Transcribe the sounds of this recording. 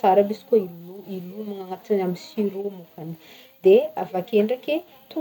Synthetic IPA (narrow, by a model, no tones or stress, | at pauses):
saɾəbisi̥kʲoiluilumaŋaŋat̪inamisiɾumukani̥ | d̪eavakʲeɳɖ͡ʐakʲe | t̪u